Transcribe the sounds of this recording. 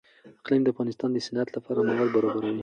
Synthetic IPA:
ɪqlimd̪əafɣɑnɪst̪ɑnd̪əsɪnat̪lafaɾɑmawalbaɾɑbaɾɑni

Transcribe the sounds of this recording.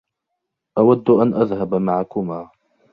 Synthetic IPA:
ʔawad̪ːʔanʔaðhabmaʕakʊmaː

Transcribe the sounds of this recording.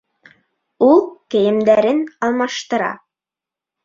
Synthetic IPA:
ulˠkɘ̆jɘ̆md̪æɾɘnɑlˠmɑʃt̪ɤ̆ɾɑ̰

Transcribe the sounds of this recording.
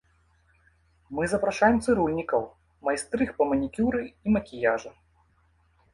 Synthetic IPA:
mɨzɐpɾaʂajɛmt̪sɨɾulʲnʲikɐw | majst̪ɾɨxpɐmɐnʲikʲuɾɨimɐkʲijaʐɐ

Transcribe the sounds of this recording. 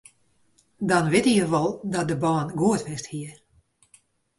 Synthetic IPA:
dɔnʋɪtijəʋɔlˠdɔt̚dəbaːnɡuətʋɪsthiə

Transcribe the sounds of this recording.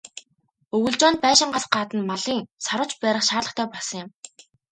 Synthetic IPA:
ɵɣɵ̆ɮt͡ɕʊːnt̪̚pæːʃɪ̆ɴɢasɢaːt̪ə̆nmaɮiːŋsɔɾʊ̆t͡ɕpæːɾə̆χʃaːɮə̆χt̪ʰœːpɔsə̆ŋjɪ̆m

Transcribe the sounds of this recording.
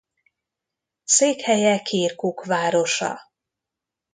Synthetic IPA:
seːkhɛjɛkʰiːrkukʋaːɾo̞ʃɒ̰

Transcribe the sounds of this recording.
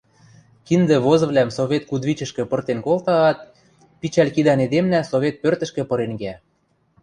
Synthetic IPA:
kind̪ĕβozɤ̆βlʲæmsoβet̪̚kud̪βit͡ɕə̆ʃkĕpɤ̆rt̪enkolt̪ɑːt̪̚ | pit͡ɕælkid̪ɑned̪emnæsoβʲet̪̚pørt̪ə̆ʃkĕpɤ̆ɾeŋɡæ

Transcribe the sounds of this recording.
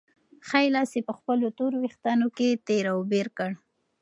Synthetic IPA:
xajlɑsepəxpəlot̪oɾwext̪ɑnoket̪eɾawbeɾkəɽ

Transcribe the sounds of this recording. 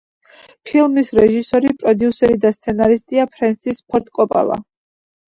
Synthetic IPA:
pʰilˠmisɾɛʒisɔɾipʼɾɔd̪iusɛɾid̪ast̪sʰɛnaɾist̪ʼiapʰɾɛnsispʰɔɾt̪ʼkʼɔpʼa̰lˠa̰

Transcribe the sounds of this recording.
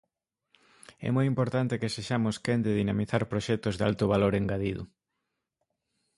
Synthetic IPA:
ɛ̰mojimpoɾt̪ant̪ɪkeseʃamʊskend̪ɪðinamiθaɾpɾoʃɛk̚t̪ʊzða̰lt̪ʊβaloɾeŋɡaðiðʊ̰

